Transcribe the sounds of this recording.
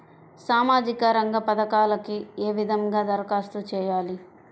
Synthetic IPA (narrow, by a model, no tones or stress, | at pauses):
saːmaːd͡ʒikɐɾɐŋɡɐpɐd̪ɐkaːlɐkieːʋid̪ʱɐŋɡaːd̪ɐɾkaːst̪ut͡ʃɛːjaːli